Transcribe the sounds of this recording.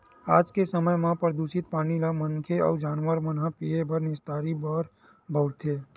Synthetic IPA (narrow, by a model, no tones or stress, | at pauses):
aːd͡ʒkesəməjmãpɾəd̪uʃɪt̪̚paːnilaməŋkʰeɔ̰ːd͡ʒaːnʋəɾmənɦapiebʱəɾnɪst̪aːɾibɔːɾ | bʱəʊɾt̪ʰeː